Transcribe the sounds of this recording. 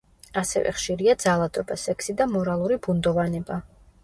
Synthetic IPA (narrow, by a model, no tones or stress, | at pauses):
asɛ̰vɛ̰χʃiɾiad̪zalˠad̪ɔbasɛkʰsid̪amɔɾalˠuɾibund̪ɔvanɛba